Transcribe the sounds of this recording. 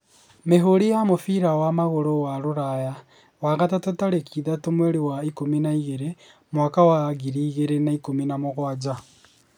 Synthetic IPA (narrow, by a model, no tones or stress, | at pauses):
meɦoɾijamofiɾawamaɣoɾowaɾuɾaja | waɣatatotaɾekʰiðatomweɾiwaikuminaiɣeɾe | mwaːkawaɣiɾiːɣeɾenaikuminamoɣwaːd͡ʒa